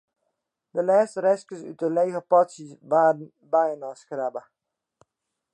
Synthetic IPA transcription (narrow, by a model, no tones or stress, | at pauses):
dəlɛːstərɛskəsy̰təleːɣəpɔtsisʋaːdən̩ | bɛjənɔskrabə